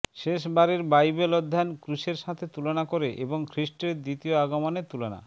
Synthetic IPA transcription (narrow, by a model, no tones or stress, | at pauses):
ʃeʃbaɾeɾbajbelɔd̪ʱːankɾuʃeɾʃat̪ʰet̪ulonakoɾeʔeboŋkʰɾiʃʈeɾd̪it̪ioaɡomanet̪ulona̰